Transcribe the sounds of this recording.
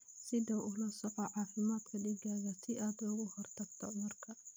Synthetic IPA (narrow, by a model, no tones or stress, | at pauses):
sɪðɐʔʊlɐsɔqɔʕɑːfɪmaːd̪kʰɐɖiːɡaːɣɐsɪʔaːd̪ʊɣʊhɔrt̪ʰɐɡ̚t̪ʰɔmɐrkʰɐ